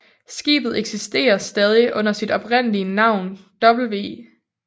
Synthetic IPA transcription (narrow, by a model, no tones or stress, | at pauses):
sɡ̥ḭːb̥ð̩ˠeɡ̥sisd̥e̝̰ːɐsd̥ɛːð̞ˠiʔɔ̽n̰ɐsid̥ɒ̽b̥ʁen̰əliənɑ̈ʊ̰nd̥ɒ̽b̥l̩ʋe̝̰ː